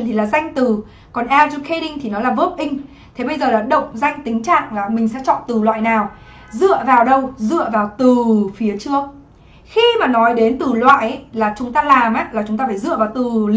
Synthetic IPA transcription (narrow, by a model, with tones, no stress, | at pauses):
nt̪ʰi˨˩laː˨˩za˧jŋ̟t̪ɨ˨˩ | kɔ˨˩nʔɛ˧lzu˧kʰe˧ɗï˧ŋt̪ʰi˨˩nɔ˨˦laː˨˩və˦˥p̚ʔï˧ŋ̟ | t̪ʰe˨˦ɓə˧jzəː˨˩laː˨˩ɗə̰˧˨wŋ͡mza˧jŋ̟t̪ï˨˦ŋ̟t͡ɕa̰ː˧˨ŋlaː˨˩mï˨˩ŋ̟sɛ̰˧˥t͡ɕɔ̰˧˨t̪ɨ˨˩lwa̰ː˧˨jnaː˨˩w | zɨ̰˧˨əvaː˨˩wɗə˧wzɨ̰˧˨əvaː˨˩wt̪ɨ˨˩fi˨˦ət͡ɕɨ˦˥ək̚ | xi˧maː˨˩nɔ˨˦jɗe˨˦nt̪ɨ˨˩lwa̰ː˧˨jʔlaː˨˩t͡ɕʊ˨˦ŋ͡mt̪aː˧laː˨˩mʔaː˦laː˨˩t͡ɕʊ˨˦ŋ͡mt̪aː˧faː˧˩zɨ̰˧˨əvaː˨˩wt̪ɨ˨˩l